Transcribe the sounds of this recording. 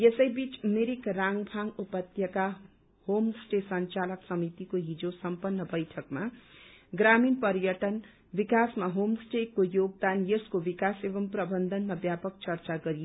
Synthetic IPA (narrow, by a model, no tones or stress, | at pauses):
jesʌjbit͡smeɾikraŋbʱaŋupʌt̪jʌka | homsʈesʌnt͡salʌksʌmit̪ikoɦid͡zosʌmpʌnːʌbʌjʈʰʌkma | ɡraminpʌɾjʌʈʌn | bikasmaɦomsʈekːojoɡ̚d̪anjʌskobikasebʌmprʌbʌnd̪ʱʌnmabjapʌkt͡sʌrt͡saɡʌɾie